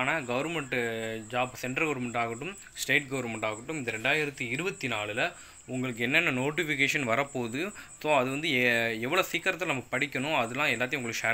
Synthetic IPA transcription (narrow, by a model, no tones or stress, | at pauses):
aːnaːɡɐʋɐɾmɛɳʈd͡ʒaːbsɛɳɖɐɾɡɐʋɐɾmɛɳʈaːɣɐʈːɯm | sʈeːʈ̚ɡɐʋɐɾmɛɳʈaːɣɐʈːɯmɪðɐɾɛɳɖaːjɪɾɐt̪ːiɪɾɯbɐt̪ːinaːɭɪlɐ | ʊŋɡɐɭɯk̬ːɯɛnːɛnːɐnoːʈ̬ɪfɪk̬eːʂɐnʋɐɾɐpːoːðɯsõːɐðɯʋɐnd̪ɯɛʋːɐɭoːsiːkːɐɾɐt̪̬ːlnɐmɐkːɯ̥pɐɽɪkʲːɐnʊ̃ɐðɯlːãːɛlːaːt̪̬ːjʊŋɡɐɭɯkːʂaː